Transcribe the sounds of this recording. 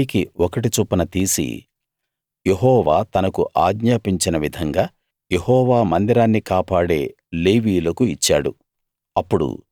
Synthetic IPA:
ikiɔkɐʈit͡ʃuːpːɐnɐt̪iːsḭ | je̞ɦɔːʋaːt̪ɐnɐkuʔaːɡɲaːpiɲt͡ʃinɐʋid̪ʱɐŋɡaː | je̞hɔːʋaːmɐnd̪iɾaːnːikaːpaːɽe̞ː | leːʋiːlɐkuit͡ʃːaːɽṵ | ɐpːuɽṵ

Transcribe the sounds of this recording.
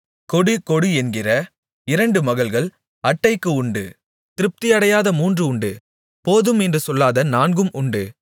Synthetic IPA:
kɔɽɯkɔɽɯɛnɡɪrɐ | ɪɾɐɳɖɯmɐɣɐɭɣɐɭ | ɐʈːɐɪkːɯʊɳɖɯ | t̪ɪɾɯp̚t̪ɪjɐɽɐjaːðɐmuːndrɯʊɳɖɯ | poːðɯmɛndrɯsɔlːaːðɐnaːnɡɯmʔʊɳɖɯ

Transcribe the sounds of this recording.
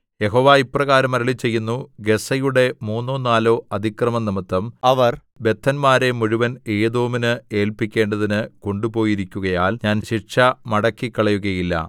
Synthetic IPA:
je̞ɦo̞ːʋaːiprɐɣaːɾɐmɐɾɐɭit͡ɕːe̞jːunːuɡe̞sɐjuɽe̞muːnːoːnːaːlo̞ːɐd̪ʱikrɐmɐnimɐt̪ːɐmɐʋɐr | be̞t̪ʰːɐnmaːɾe̞muɻuʋɐne̞ːd̪oːminɨe̞ːlpikʲːe̞ːɳɖɐðinɨko̞ɳɖupo̞ːjiɾikʲːuɣɐjaːlɲaːnɕiʂɐmɐɽɐkːikːɐɭɐjuɣɐjilːɐ̰

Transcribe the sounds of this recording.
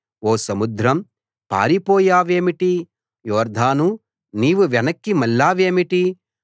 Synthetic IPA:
ɔːsɐmud̪ɾɐm | pa̰ːɾipɔːjaːʋeːmiʈi | jɔːɾd̪ʱaːnu | niːʋuʋɛnɐkːimɐlːaːʋeːmiʈi

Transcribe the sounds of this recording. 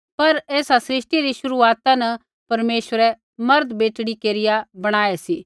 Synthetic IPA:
pɐɾeːsasɾɪʃʈiɾiʃʊɾuaːt̪ãnɐ | pɐɾmeːʃəɾɛ | mɐɾd̪beːʈɽikeːɾɪjabɐɽ̃aːɛsiː

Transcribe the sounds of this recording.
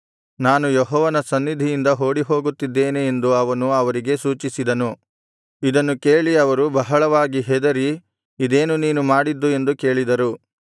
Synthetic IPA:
naːnujeɦɔːʋɐnɐsɐnːid̪ʱijind̪ɐɦo̞ːɽiɦo̞ːɡut̪ːid̪ːe̞ːneend̪uɐʋɐnuɐʋɐɾiɡe̞suːt͡ʃisid̪ɐnu | id̪ɐnːuke̞ːɭiɐʋɐɾubɐɦɐɭɐʋaːɡiɦɛd̪ɐɾi | id̪e̞ːnuniːnumaːɽid̪ːue̞nd̪uke̞ːɭid̪ɐɾu

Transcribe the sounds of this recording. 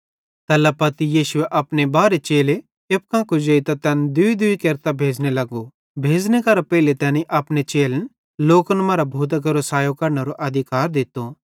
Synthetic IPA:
t̪ɐlɐpɐt̪ijiːʃʊeʔɐpnebaːɾet͡ʃeːle | ep̚kãːkod͡ʒɐit̪at̪ɛːnd̪ʊid̪ʊikeːɾt̪abʱeːd͡ʒnelɐɡo | bʱeːd͡ʒnekɐɾapɛɪlet̪ɛːniʔɐpnet͡ʃeːln | loːkənmaːɾabʱuːt̪̬kɐɾosaːjokɐɾnɐɾoʔɐd̪ʱɪkaːɾd̪ɪt̪o

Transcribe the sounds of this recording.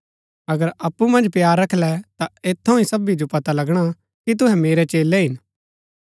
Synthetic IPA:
ɐɡəɾɐpːumɐ̃nd͡ʒpjaːɾːɐkʰlɛt̪aeːt̪ʰːõĩsɐbid͡ʒopɐt̪alɐɡɽ̃a | kit̪ʊɦɛ̃meːɾɛt͡ʃeːlɛɦɪn

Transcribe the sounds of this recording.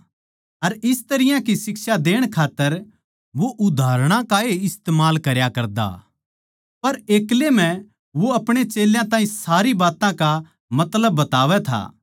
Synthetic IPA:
ɐɾɪst̪ɐɾɪjãkisɪksad̪eːɽ̃kʰaːt̪ːəɾ | ʋoʔʊd̪ʱaːɾɽ̃ãkaeɪst̪eːmaːlkɐɾjakɐɾd̪a̰ | pɐɾeːklemɛ̃ | ʋoɐpɽ̃et͡ʃeːljãt̪ãːɦĩsaːɾibaːt̪ãka | mɐt̪ləbːɐt̪aːʋɛt̪ʰa̰ː

